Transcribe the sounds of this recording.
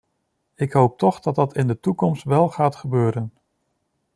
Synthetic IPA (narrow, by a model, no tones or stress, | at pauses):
ɪkɦowp̚tɔχdɑt̚dɑtʰɪndətukɔmstʋɛlˠχaːtχəbøːɾən